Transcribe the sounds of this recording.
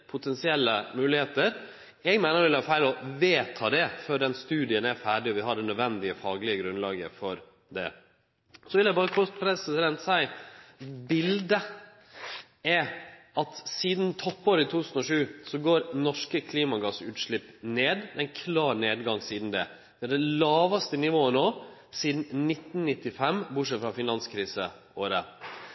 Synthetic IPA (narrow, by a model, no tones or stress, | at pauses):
pʰʊt̪ʰɛnsɪɛlːəmʉːlɪheːt̪əɾ | ɛɡmæɪnəɾʋɪlhæɾfæɪlɔʋeːt̪ʰɑːd̪ɛføɖɛnst̪ʉːd̪ɪənæɾfæːɖɪɔʋɪɦɑɖɛnœd̪ʋɛnd̪ɪəfɑːɡlɪəɡɾʉnlɑːɡə̰fɔɾ | d̪ɛ̰ | sɔʋɪljæɪbɑːɾəkʰɔspʰɾɛsɪsɪd̪ɛnt̪sæɪ | bɪld̪ə | ɛ | ɑt̪siːd̪nt̪ʰɔpːoːɾəɪt̪ʰuːt̪ʰʉ̥sn̩ɔʂʉːsɔɡoːɾnɔʂkəkʰliːmɑɡɑsʉːt̪ʂɭɪpːneːd̪ɛɪnkʰlɑːɾneːd̪ɡɑŋsiːd̪n̩d̪ɛ | d̪ɛɑɖɛlɑːʋɑst̪ənɪʋoːənoːsiːd̪n̩nɪt̪ːn̩nɪt̪ːɪfɛmbʊʈʂɛt̪fɾɑfɪnɑnskʰɾiːsə | oːɾə